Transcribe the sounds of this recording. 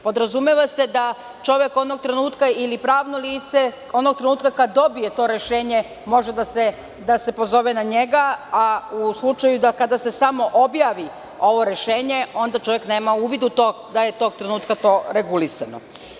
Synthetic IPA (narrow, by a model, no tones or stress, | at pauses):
po̞d̪ɾazumjeʋase̞d̪a | t͡ʃo̞ʋje̞ko̞d̪no̞ɡ̚t̪ɾe̞nuːt̪kailipɾaːʋno̞liːt̪se̞ | onoɡ̚t̪ɾe̞nuːt̪kakad̪o̞bije̞t̪o̞ɾe̞ʃeːɲe̞ | mo̞ʒed̪ase | d̪ase̞po̞zo̞ʋenaɲe̞ɡaauslˠut͡ʃajud̪akad̪ase̞samo̞ʔo̞bjaːʋi | o̞ʋo̞ɾe̞ʃe̞ːɲe̞o̞nd̪at͡ʃo̞ʋjekne̞ːmauːʋid̪ut̪o̞ | d̪ajet̪o̞ɡ̚t̪ɾe̞nuːt̪kat̪o̞ɾe̞ɡulisano̰